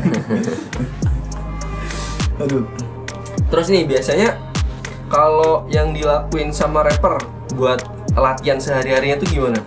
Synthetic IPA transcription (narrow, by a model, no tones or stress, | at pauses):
adu | t̪əɾʊsnibiasaɲa | kalojaŋdilakuɪnsamaɾepər | buat̪̚əlat̪iansəɦaɾiɦaɾiɲat̪ʊɡimana